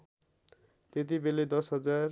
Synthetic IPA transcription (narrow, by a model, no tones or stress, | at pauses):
t̪et̪̬ibeled̪ʌsɦʌd͡zar